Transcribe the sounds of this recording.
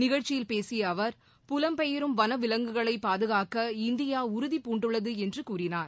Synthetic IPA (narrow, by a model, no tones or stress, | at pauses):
nɪɣɐɻt͡ʃːɪjɪlpeːsɪjɐːʋɐɾ | pʊlɐmpɛjɪɾɯmʋɐnɐʋɪlɐŋɡɯɣɐɭɐɪpːaːðɯɣaːkɐɪnd̪ɪjaːʊɾʊðipːuːɳɖɯɭːɐðɯɛndrɯkuːrɪnaːɾ